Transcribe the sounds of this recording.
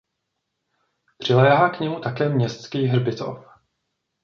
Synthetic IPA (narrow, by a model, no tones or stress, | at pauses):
pr̥ɪlɛːɦaːkɲɛmut̪akɛːmɲɛst̪skiːɦr̩bɪt̪o̰f